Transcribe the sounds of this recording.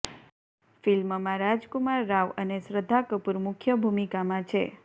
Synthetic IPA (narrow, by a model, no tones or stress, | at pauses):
filməmãɾad͡ʒkumaɾːaʋənesɾəd̪ʱːakəpuɾmʊkʰjəbʱumikamãt͡ʃʰe